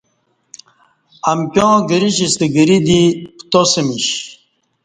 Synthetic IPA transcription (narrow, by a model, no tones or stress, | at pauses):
ɐmpʲjõɡəɾiɕist̪eɡəɾid̪ipt̪osemiɕ